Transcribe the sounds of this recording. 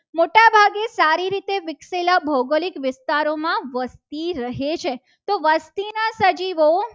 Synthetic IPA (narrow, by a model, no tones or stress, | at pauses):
moʈabʱaɡesaɾiɾit̪eʋɪkselabʱəwɡəlikʋɪst̪aɾomãʋəst̪iɾəɦet͡ʃʰe | t̪oʋəst̪inasəd͡ʒiʋo